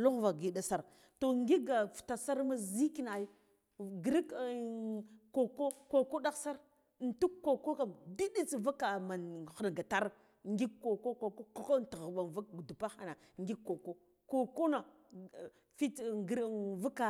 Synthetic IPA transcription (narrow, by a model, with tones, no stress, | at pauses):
lu˦ɣva˨ɡi˨ɗa˦sa˦ɾ | to˨ŋɡi˦ɡa˨fta˨sa˦ɾma˦zi˦ki˦na˨i˦ | ɡɾi˦k | ko˨ko˦ko˨ko˦ɗa˦ksa˦ɾ | n˨tu˦kkːo˨ko˦ka˨di˦ɗi˦t͡sva˦ka˨ma˨n˨xa˨n˨ɡa˨ta˦ɾ | ŋɡi˦kko˨ko˦ko˨ko˦ko˦ko˦nti˨ɣɓa˨nva˦ɡdu˨pa˦xa˨na˨ | ŋɡi˦kːo˨ko˦ | ko˨ko˦na˨ | fi˦˨ɡva˦ka˨